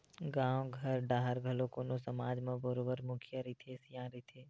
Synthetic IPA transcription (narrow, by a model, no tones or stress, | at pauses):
ɡãːwɡʱɐɾɖaːɦəɾɡʱɐlõkonosɐmaːd͡ʒmẽbəɾoːbəɾmʊkʰijəɾit̪ʰesjãːɾit̪ʰeː